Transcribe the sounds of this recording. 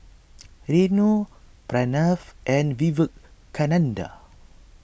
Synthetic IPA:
ɾenupɾanafʔɛ̃nvivək̚kːanãnda̰

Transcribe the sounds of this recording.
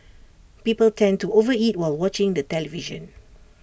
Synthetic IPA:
pipəltʰɛ̃ntuovəit̚waɪlwɔt͡ʃɪ̃ŋdətɛliviʒə̰̃n

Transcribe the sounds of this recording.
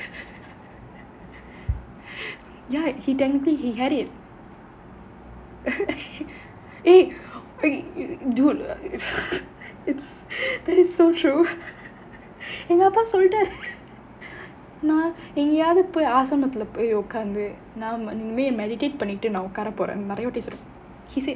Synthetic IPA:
jaːhiʈɛŋtliɦiɦæɾɪʈ̚ | eː | duː | ɪʈs | d̪ɐʈɪsːoːʈɾuː | ɛŋɡɐɐpːãːsɔlʈaːɾ | nãː | ɛŋɡeaːðɐpːoːaːsɐmɐt̪ːɪlɐpoːjɔkːaːɾnd̪ɯ | nãːnɪŋɡɐmeːmɛɽɪʈeːʈ̚pɐɳːɪʈːɯnãːʊkːaːɾɐpoːɾḛ̃ːnɪɾɐjɐʋɐʈːesɾõ | hise

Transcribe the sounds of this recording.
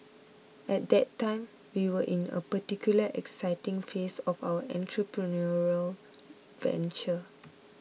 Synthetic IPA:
ʔɛt̚dɛtːãɪ̃m | wiwəʔĩnə̰pətikjuləʔɛ̰ksaɪtĩŋfesɔfawəʔɛ̰̃ntɹəpɹənɔɹəl | vɛ̰̃nt͡ʃə

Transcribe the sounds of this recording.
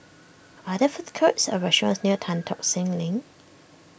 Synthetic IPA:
adəfuθkʰətsə̰ɹɛʃɔ̃sniətʰãntʰɔk̚sɪ̃ŋlɪ̃ŋ

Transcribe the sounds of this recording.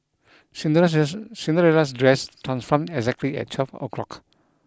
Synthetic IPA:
sĩndəɹɛlas̬dɹɛstʰɹãnsfɔ̃mɛɡzɛk̚tliɛ̰t̚t͡ʃʰɔfo̰kʰɹɔ̰k

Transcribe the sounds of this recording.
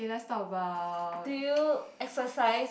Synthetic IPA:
edast̪ɔbadujuɛksəsaɪs

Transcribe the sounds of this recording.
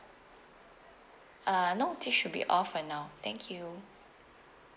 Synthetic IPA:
ʔanotʰiʃːud̚bḭʔɔfənːaʊt̪ɛ̃ŋkʰju

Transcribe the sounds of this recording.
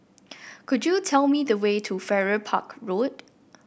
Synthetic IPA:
kʰʊd͡ʒjutʰɛlmidəwetʰufɛɹəpʰa̰kɹot̚

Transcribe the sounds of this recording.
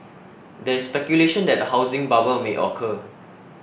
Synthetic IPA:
dɛɪsːpɛkjuleʃə̃ndɛt̚dəhaʊzɪ̃ŋbabəlmeʔɔ̰kʰə

